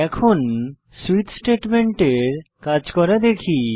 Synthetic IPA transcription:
ɛkʰon | suit̪sʈeʈmeɳʈeɾkad͡ʑkɔɾad̪ekʰi

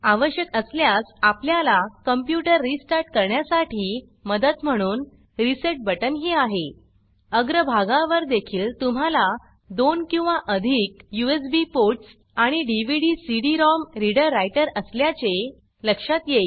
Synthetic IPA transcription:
aʋəɕjəkəsljasapljalakəmpjuʈəɾːisʈaɾʈkəɾɳjasaʈʰiː | məd̪ət̪m̤əɽ̃uːn | ɾiseʈ̚bəʈənɦiːaɦe | əɡɾəbʱaɡãʋəɾd̪ekʰiːlt̪um̤ala | d̪onkĩw̃ʋaʔəd̪ʱiːkjues̬bipoɾʈs | aɽ̃iɖiʋiɽisiɽiɾɔmɾiɽəɾːajʈəɾəsljat͡se | ləkʂat̪jei

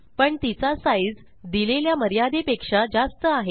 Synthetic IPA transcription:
pəɳt̪it͡sasajd͡z | d̪ileljaməɾjad̪epekʂad͡zast̪əaɦe

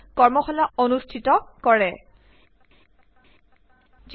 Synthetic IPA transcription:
kɔɹmɔxɔlaonustʰitɔkɔɹɛ | z

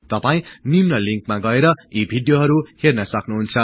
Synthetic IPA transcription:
t̪ʌpaĩnimnʌliŋkmaɡʌeɾʌibʱiɖjoɦʌɾuhernʌsʌknuɦunt͡sʰʌ

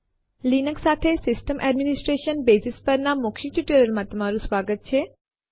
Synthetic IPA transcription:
liːnəksaːt̪ʰesɪsʈəmʔɛɖmɪnɪsʈɾeːʃənbeːsɪspəɾnamʊkʰiʈuʈəɾəlmãt̪ɐm̤aːɾũsʋaːɡət̪̚t͡ʃʰeː

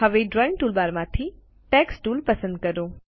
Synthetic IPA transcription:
ɦɐʋeɖɾɔːɪ̃ŋʈuːlbaːɾmãːt̪ʰi | ʈɛːksʈuːlpɐsə̃nd̪̚kɐɾoː

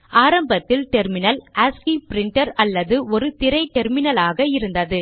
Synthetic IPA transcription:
ʔaːɾɐmbɐt̪ːɪlʈɛɾmɪnɐlaːskipɪɾɪɳʈɐɾɐlːɐðɯɔɾɯt̪ɪɾɐɪʈɛɾmɪnɐlaːɣɐɪɾɯnd̪ɐðɯ

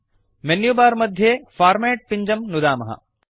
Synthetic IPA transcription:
menjubaːɾmɐd̪ʱjefaːɾmeːʈ̚piɲd͡ʒɐmnud̪aːmɐɦɐ̰

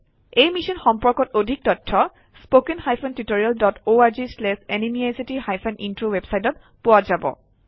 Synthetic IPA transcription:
ejmisɔnxɔmpɔɹkɔtodʱik̚tɔtʰːɔ | spokenxajpʰɔntutoɹialdɔtoaɹzislɛsenimiajsitixajpʰanʔintɹowebsajtɔt̚ | pʊwazabɔ̰

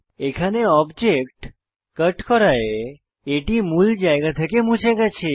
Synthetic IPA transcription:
ekʰaneɔbd͡ʒekʈ | kəʈkɔɾajeː | ʈimuld͡ʒajɡat̪ʰəkemũt͡ʃaɡat͡ʃʰe

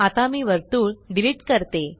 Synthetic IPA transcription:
at̪amiːʋəɾt̪uːɭɖiliʈkəɾt̪e

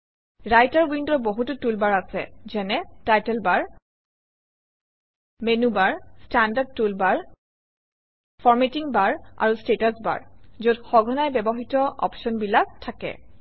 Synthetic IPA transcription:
ɹajtaɹwindɔboɦutʊtulbaɹasɛ̰zɛnɛtajtɛlbaɹ | menubaɹstandad̚tulbaɹ | fʰɔɹmetiŋbaɹa̰ɹustetasba̰ɹzotxɔɡʱɔnajbɛbɔxitɔʔɔ̰pʃɔnbilak̚tʰːakɛ̰

